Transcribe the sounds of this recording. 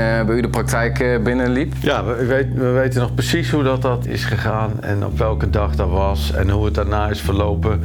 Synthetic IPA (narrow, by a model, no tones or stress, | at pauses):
ʋəydəprak̚tɛjkbɪnəlipjaʋəʋetʋəʋejtənɔxprəsisɦudɔt̚dɔtɪ̰sχəχaːnɛ̰nɔ̰pʋɛlˠkədɑχdɔtʋɑs | ɛ̰nɦuət̚daɹnaːɪsfərlowpə